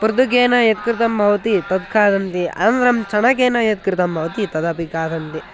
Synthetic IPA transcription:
puɾd̪ukeːnɐjɐt̪̚kɾɪt̪ɐmbʱɐʋɐt̪it̪ɐd̪̚kʰaːd̪ɐnt̪iʔɐ̰nɾɐmt͡ʃɐɳɐkeːnɐjɐt̪̚kɾɪt̪ɐmbʱɐʋɐt̪it̪ɐd̪ɐpikaːd̪ʱɐnt̪i

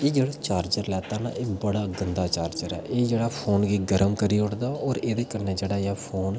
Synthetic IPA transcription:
eːd͡ʒeːɽaːt͡ʃaːɾd͡ʒəɾlɛːt̪aːna̰ːʔeːbəɽaːɡənd̪aːt͡ʃaːɾd͡ʒəɾɛ̰ːʔeːd͡ʒeːɽaːpʰoːnɡiːɡəɾəmkəɾiːʊʈd̪aːɔːɾeːd̪eːkəɾneːd͡ʒeːɽaːjaːpʰoːn

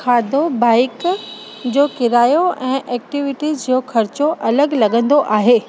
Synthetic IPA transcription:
kʰaːd̪obaːɪk | d͡ʑoːkɪɾaːjoɛ̃ːʔɛːk̚ʈiʋɪʈizd͡ʑoːxʰɐɾt͡ɕoʔɐləɡlɐɠə̃nd̪oʔaːɦeː

